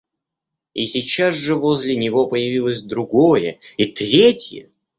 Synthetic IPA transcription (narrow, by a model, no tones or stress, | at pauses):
isʲɪt͡ɕːasʐɨvozʲlʲɪnʲɪvo̞pəjɪvʲilˠəsʲd̪ɾʊɡojəit̪ɾʲetʲjə̰